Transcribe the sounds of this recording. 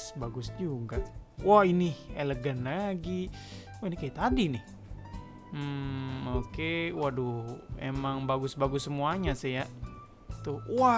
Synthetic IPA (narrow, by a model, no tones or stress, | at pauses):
sbaɡʊsd͡ʒuɡaʔwahinɪheləɡanlaɡi | wainikajat̪adinɪh | m̩okewaduḛmaŋbaɡʊsbaɡʊsːəmuaɲaseja | t̪uwa